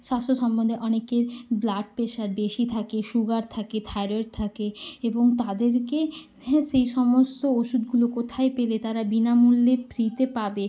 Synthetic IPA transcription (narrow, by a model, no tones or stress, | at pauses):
ʃast̪ʰoʃɔmbond̪ʱeʔɔnekeɾblaʈ̚peʃaɾbeʃit̪ʰakeʃuɡaɾt̪ʰaket̪ʰaɾoeɾt̪ʰakeeboŋt̪ad̪eɾke | ʃejʃɔmost̪ooʃud̪ɡulokot̪ʰaepelet̪aɾabinamulːepɾit̪epabe